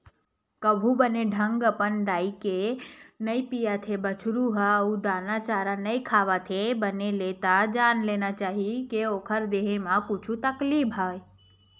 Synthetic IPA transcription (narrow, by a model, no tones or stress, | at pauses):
kəbʱubəneɖʱə̃ŋɡəpənd̪aːikenɐĩpijat̪ʰebət͡ʃʰɾuɦaud̪aːnat͡ʃaːɾanɐikʰaːʋat̪ʰebəneleːt̪ad͡ʒaːnleːnat͡ʃaːɦikeoːkʰəɾd̪eːɦemãkʊt͡ʃʰũt̪ɐkliːbɦaːe